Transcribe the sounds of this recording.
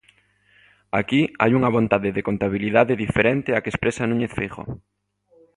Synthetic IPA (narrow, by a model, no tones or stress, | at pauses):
akia̰juŋɐβ̞ont̪aðeðekont̪aβ̞iliðaðeðifeɾent̪eakespɾesanũɲeθfiɣo̰